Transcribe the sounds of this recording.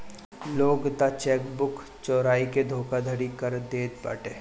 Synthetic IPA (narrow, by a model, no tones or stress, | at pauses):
loːɡt̪at͡ʃɛːkbʊk | t͡ʃɔːɾaːiked̪ʱoːkad̪ʱəɽikəɾd̪eːd̪pa̰ːʈeː